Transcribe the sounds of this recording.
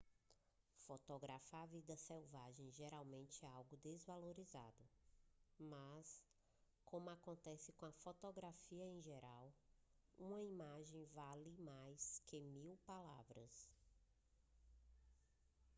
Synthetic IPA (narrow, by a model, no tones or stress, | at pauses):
fot̪oɡɾafavid̪ɐsewvaʒẽj̃ʒeɾawmẽnt͡ʃɪɛawɡʊd̪ezvaloɾiza̰d̪ʊ | mɐs | kõmʊakõnt̪ɛsɪkõɐfot̪oɡɾafiɐẽj̃ʒeɾaw | ũmɐimaʒẽj̃valɪmajskɪmiwpalavɾɐs